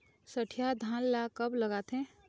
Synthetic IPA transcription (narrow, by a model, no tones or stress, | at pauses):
sɐʈʰijad̪ʱaːnlakɐblɐɡaːt̪ɛ̃